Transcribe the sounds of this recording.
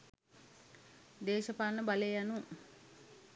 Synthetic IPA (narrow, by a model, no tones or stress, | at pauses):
d̪eːʃəpanːəbalejanuŋ